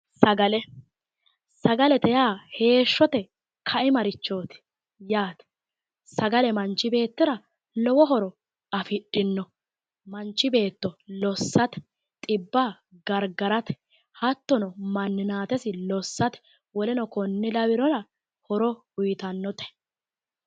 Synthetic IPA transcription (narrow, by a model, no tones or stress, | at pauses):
sɐɡɐlɛ | sɐɡɐlɛt̪ɛjaːhe̞ːʃːɔt̪ɛ | kʰɐʔɪmɐɾɪt͡ʃːoːt̪ | jaːt̪ɛ̥ | sɐɡɐlɛmɐnt͡ʃːɪbe̞ːt̪ːɪɾɐ | lɔwɔɦɔɾɔ | ɐfɪɗɪnːɔ | mɐnt͡ʃːɪbe̞ːt̪ːɔlɔsːɐt̪ɛ̥ | t̪ʼɪbːaː | ɡɐɾɡɐɾɐt̪ | hɐt̪ːɔnɔmɐnːɪnaːt̪ɛsɪlɔsːɐt̪ɛ̥ | wɔlɛnɔkɔnːɪlɐwɪɾɔɾɐ | hɔɾɔ | ʊjɪt̪ɐnːɔt̪ɛ̥